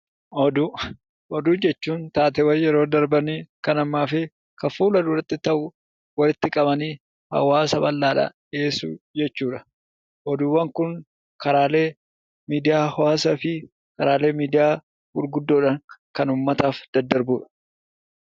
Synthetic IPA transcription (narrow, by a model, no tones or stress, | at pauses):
ɔd̪u | ɔd̪uːd͡ʒɛt͡ʃːuːnt̪aːt̪ɛwɐjjɛɾo̞ːd̪ɐɾbɐniːkɐnɐmːaːfɪ | kɐfuːlɐd̪ʊɾɐt̪ːɪt̪ɐʔʊ | wɐlɪt̪ːɪkʼɐbɐniː | hɐ̰waːsɐbɐlːaːᶑɐ̰ | e̞ːsṵd͡ʒɛt͡ʃːuːᶑɐ̥ | ʔɔd̪uːwːɐŋkʊn | kɐɾaːle̞ː | miːd̪ɪjaːhwaːsɐfɪ | kɐɾaːle̞ːmiːd̪ɪjaː | ɡʊɾɡʊd̪ːoːᶑɐŋkɐnuːmːɐt̪aːfd̪̥ɐd̪ːɐɾbuːᶑɐ̥